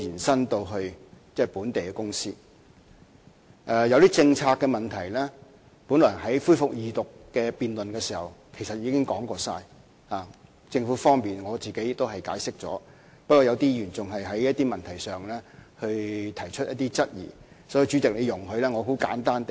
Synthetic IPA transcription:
iː˨˩nsɐ˥nt̪o˧wɦɵ˧ɥt͡sɛː˥˩puː˨˥nt̪e˨jkɛː˧kʊ˥ŋsiː˥ | ʔɛː˨˧jɐ˨˧wt̪iː˥t͡sɪ˧ŋt͡sʰaː˧kːɛː˧mɐ˨nt̪ʰɐ˨˩jlɛ˥ | puː˨˥nlɔː˨˩ɦɐ˨˥jfuː˥fʊ˨k̚jiː˨t̪ʊ˨kːɛː˧piː˧nlɵ˨nkɛː˧siː˨˩hɐ˨˩wkʰe˨˩jsɐ˨t̚jiː˨˧kɪ˥ŋkɔː˨˥ŋkɔː˧saː˧j | haː˨˩ | t͡sɪ˧ŋfuː˨˥fɔː˥ŋpiː˨nŋɔː˨˧t͡siː˨˩ke˨˥jt̪ːo˥wɦɐ˨˩jkaː˨˥jsɪ˥k̚t͡sɔ̰ː˨˥ | pɐ˥t̚kɔː˧jɐ˨˧wt̪iː˥jyː˨˩nt͡sʊ˨ŋɦɐ˨jɦɐ˨˥jjɐ˥t̪iː˥mɐ˨nt̪ʰɐ˨˩jsœː˨ŋlɛː˥hɵ˧ɥt̪ʰɐ˨˩jt͡ʃʰɵ˥t̚jɐ̰˥t̪iː˥t͡sɐ˥t̚jḭː˨˩ | sɔː˨˥ji˧t͡ʃy˨˥tɪ˨k̚ne˨˧jʊ˨˩ŋɦɵ˧ɥlɛː˥ŋɔː˨˧ho˨˥wka̰ː˨˥nt̪aː˥nt̪

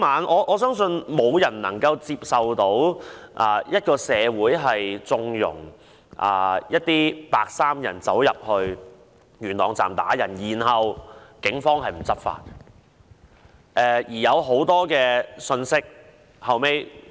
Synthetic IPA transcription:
maː˨˧nʔɔː˨˧ʔɔː˨˧sœː˥ŋsɵ˧nmo˨˧wjɐ˨˩nnɐ˨˩ŋkɐ˧wt͡siː˧p̚sɐ˨wt̪o˨˥wʔaː˨jɐ˥t̚kɔː˧sɛː˨˧wuː˨˥jɦɐ˨jt͡sʊ˧ŋjʊ̰˨˩ŋ | ʔa̰ː˨˩jɐ˥t̚t̪iː˥paː˧k̚saː˥mjɐ̰˨˩nt͡sɐ˨˥wjɐ˨p̚hɵ˧ɥ | jyː˨˩nɔː˨˩ŋt͡sa̰ː˨˩mt̪a̰ː˨˥jɐ˨˩njiː˨˩nɦɐ˨wkɪ˨˥ŋfɔː˥ŋɦɐ˨jm̩˨˩t͡sɐ˥p̚fa̰ː˧t̚ | ʔɛː˨˧jiː˨˩jɐ˨˧wɦo˨˥wt̪ɔː˥kɛː˧sɵ˧nsɪ˥k̚ | hɐ˨˧wme˥j

